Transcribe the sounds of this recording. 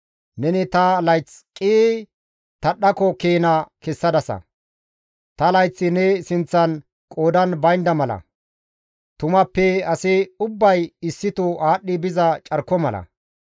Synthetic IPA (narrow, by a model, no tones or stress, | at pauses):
nɛnɪt̪ɐlɐjt͡skʼiː | t̪ɐɗːɐkɔkeːnɐkɛsːɐd̪ɐsɐ̰ | t̪ɐlɐjt͡sːɪnɛsɪnt͡sːɐn | kʼoːd̪ɐnbɐjnd̪ɐmɐlɐ̰ | t̪ʊmɐpːɛɐsɪʊbːɐjɪsːɪt̪ʊʔaːɗːɪbɪzɐt͡ʃʼɐɾkːɔmɐlɐ̰